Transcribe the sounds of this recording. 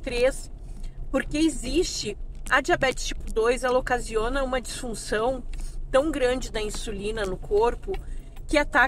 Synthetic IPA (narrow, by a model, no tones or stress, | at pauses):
t̪ɾes | poɾkeɪzist͡ʃɪɐd͡ʒiabɛt͡ʃɪ̥st͡ʃi̥pʊd̪ojzɛlɐokazionɐũmɐd͡ʒisfũsɐ̃w̃t̪ɐ̃w̃ɡɾɐ̃nd͡ʒɪd̪ɐĩsulĩnɐnʊkʰoɾpʊ | kɪat̪a